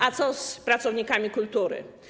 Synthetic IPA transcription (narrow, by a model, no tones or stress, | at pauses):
at̪sɔspɾat̪sɔvɲikamʲikult̪uɾɘ̰